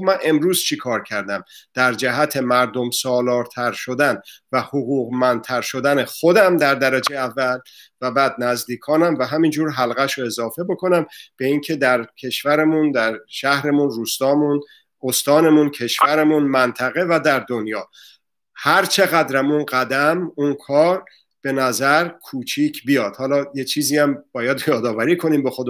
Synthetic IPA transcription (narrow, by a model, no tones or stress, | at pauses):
mænʔe̞mɾuːz̥t͡ʃʰikʰɒːɾcʰæɾd̪æmd̪̥æɾd͡ʒæɦæt̪ʰe̞mæɾd̪o̞msɒːlɒːɾt̪ʰæɾʃo̞d̪ænvæhoɣuːɣmænt̪ʰæɾʃo̞d̪æne̞xo̞d̪æmd̪æɾd̪æɾæd͡ʒejævːælvæbæːd̪̚næzd̪iːkʰɒːnæmvæɦæmind͡ʒuːɾɦælɣæʃoe̞zɒːfe̞bo̞kʰo̞næmb̥e̞iːŋcʰe̞d̪æɾcʰe̞ʃvæɾemund̪æɾʃæhɾe̞munruːst̪ɒːmun | ost̪ɒːne̞muncʰe̞ʃvæɾemunmænt̪ʰæɣe̞væd̪æɾd̪o̞njɒː | hæɾt͡ʃʰe̞ɣæd̪ɾæmunɢæd̪æmunkʰɒːɾ | b̥e̞næzæɾkʰuːt͡ʃʰiːcʰbijɒːd̪̥hɒːlɒːjet͡ʃʰiːziːæmb̥ɒːjæd̪jɒːd̪ɒːvæɾiːkʰo̞niːmbexod̪